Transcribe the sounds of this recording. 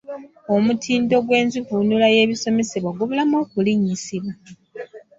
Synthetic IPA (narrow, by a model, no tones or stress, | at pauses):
o̞mutʰiːndo̞ɡwe̞ːnzivunulaje̞ːβiso̞me̞seβwaɡuβulamoːkuliɲːisiβwa